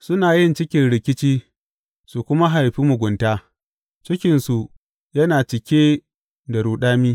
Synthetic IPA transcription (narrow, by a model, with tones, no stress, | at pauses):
sʊ˦naː˨jɪ˦nt͡ʃɪ˦kʲɪ˦nɽɪ˦kʲɪ˦t͡ʃiː˦ | su˨kʷʊ˦ma˦ɦa˨jɸiː˦mʊ˨ɡʷʊ˨ntaː˦ | t͡ʃɪ˦kʲɪ˨nsu˨ʔ | jɐ˦naː˨t͡ʃɪ˨kʲeː˦ | da˨ɽuː˨ɗaː˦miː˦